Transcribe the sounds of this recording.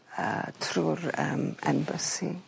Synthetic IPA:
ətʰrurəmɛmbəsi

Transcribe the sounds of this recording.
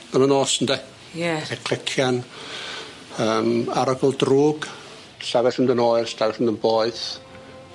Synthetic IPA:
mamənoːsəndɛ | jɛɛθɛkʰl̥ɛkʰjan | əːmaɾaɡəlˠdruːɡ | ɬavɛθəndənoːɨrstavɛθəndənboːɨθ

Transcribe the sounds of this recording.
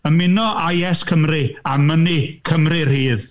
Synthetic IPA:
əmɪnɔʔajɛskʰəmrɪamənikʰəmrɪr̥iːð

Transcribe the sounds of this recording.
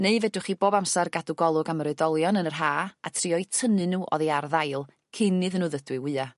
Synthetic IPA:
neɨvɛdʊχiːboːbamsarɡaduɡɔlˠʊɡamɾɨdɔlˠjɔnənər̥ɦaːatʰriɔjtʰənɨnuːʔɔ̰ðiarðajlˠ | kʰɪnɨðənuːðədwɨwɨːa

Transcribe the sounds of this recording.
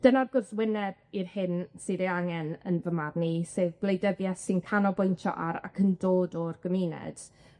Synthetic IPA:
d̥ənarɡɔswɪnɛb̚irhɪnsiɾiaŋɛnə̰nvəmarniseːðblˠejdɛvjasɪnkʰanɔbɔjntʰɔ̰ʔaɾa̰kʰəndoːdɔrɡ̥əmiːnɛ̰d̥

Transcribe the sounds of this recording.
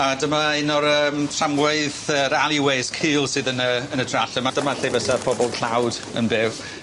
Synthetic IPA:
adəmaɪnɔɾəːmtʰramwɛɨðəɾalˠiweɨskʰiːlˠsɨðənəənədraɬəmad̥əmaɬevəsapʰɔbɔlˠkʰl̥awd | ə̰nbɪw

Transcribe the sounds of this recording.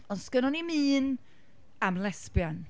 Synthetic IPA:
ɔnskənɔnimiːn | amlɛspjan

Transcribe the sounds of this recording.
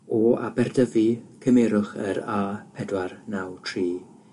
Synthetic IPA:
ɔa̰bɛrdəvikʰəmɛɾʊχəɾaːpʰɛdwarnawtʰriː

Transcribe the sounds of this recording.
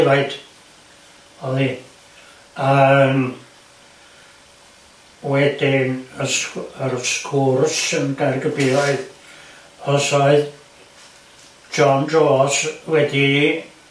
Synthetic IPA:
vaɨd̥ | ɔlˠi | ən | wɛdɪnəsəɾskʰursənɡarɡəbɪvaɨð | ɔsɔɨð | d͡ʒɔndroaswɛdi

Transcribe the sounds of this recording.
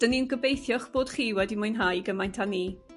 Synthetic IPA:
d̥əninɡəbejθjɔχb̥oːd̥χiːwɛdimʊɨnɦajɡəmajntʰaniː

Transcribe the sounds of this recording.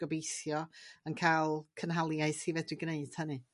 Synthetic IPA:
ɔbejθjɔənkʰalˠkʰənɦalˠjaɨθhivɛdwiɡneɨd̥hənɨ

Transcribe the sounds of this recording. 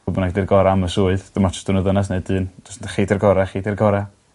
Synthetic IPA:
bɔnaɡdirɡɔɾaaməsuːɨðd̥əmat͡ʃʰʊ̥sd̥unəðənas̬neɨdɨːnd̥ʊ̥sχeːdɛrɡɔɾaχiːdirɡɔɾa

